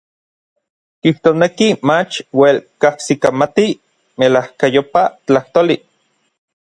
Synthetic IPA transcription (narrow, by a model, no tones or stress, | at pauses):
kiht̪oːsnekimat͡ʃwelkahsikamat̪i | melahkajopat͡ɬaht̪oːli